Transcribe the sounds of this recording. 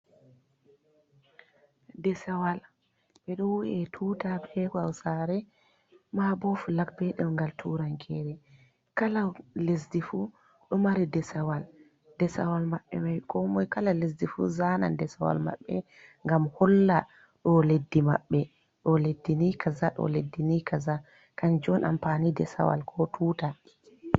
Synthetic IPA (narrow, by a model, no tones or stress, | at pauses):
dɛsawal | ɓɛɗɔwuɛtʰuːtabɛkɔawsaːɾɛ | mabɔflak̚bɛɗɛmŋɡaltʰuɾaŋkʰɛɾɛ | kalalesdifu | ɗɔmaɾidɛsawal | dɛsa̰walmaɓːɛ̰majkɔmɔjkalales̬difṵzana̰ndɛsawa̰lma̰ɓːɛ̰ | ŋɡamhɔlːa | ɗɔledːima̰ɓːɛ | ɗɔledːinikazaɗɔ̰ledːinikʰaza | kand͡ʒɔnʔa̰mpaːnidɛsa̰wa̰lkʰɔtʰuːta